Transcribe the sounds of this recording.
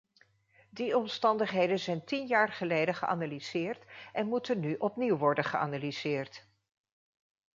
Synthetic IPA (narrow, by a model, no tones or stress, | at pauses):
diɔmstɑndəχɦejdənzɛjntinjaːɹχəlejdəχəʔa̰naliz̥ɪːɹtʔɛnmutənːyʔɔpniwʋɔɹdənχəʔa̰naliz̥ɪːɹt